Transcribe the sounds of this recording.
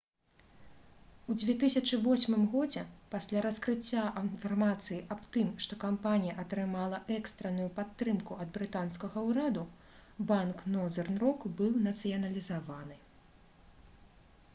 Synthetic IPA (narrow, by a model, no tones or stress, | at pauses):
ud͡zʲvʲɛt̪ɨsʲɐt͡ʂɨvɔsʲmɨmɣɔd͡zʲɛpasʲlʲaɾɐskɾɨt͡sʲːaʔɐnfɐrmat̪sɨjiʔɐpt̪ɨmʂt̪ɔkampanʲijɐʔɐt̪ɾɨmalˠɐʔɛkst̪ɾɐnujupat̪ːɾɨmkuɐd̪bɾɨt̪anskɐɣɐwɾad̪u | banknɔzɛrnɾɔkbɨwnɐt̪sɨjɐnɐlʲizavanɨ